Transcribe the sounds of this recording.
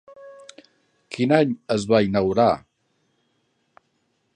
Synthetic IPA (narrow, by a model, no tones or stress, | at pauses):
kʰinaɲəzβainəwɾa